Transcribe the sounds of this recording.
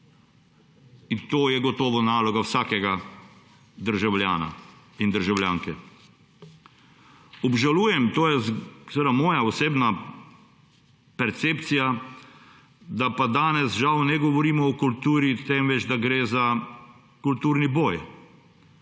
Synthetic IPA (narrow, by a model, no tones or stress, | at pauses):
int̪oːjɛɡɔt̪ɔːʋɔnaːlɔɡawsaːkɛɡa | d̪əɾʒawljaːna̰ | ind̪əɾʒawljaːŋkɛ | ɔbʒaluːjɛmt̪oːjɛzsɛʋeːd̪amɔːjaɔseːbna | pɛɾt̪seːpt̪sija | d̪apad̪aːnɛsʒawnɛɡɔʋɔɾiːmɔːkult̪uːɾit̪ɛmʋɛd͡ʒd̪aɡɾeːza | kult̪uːɾniboːj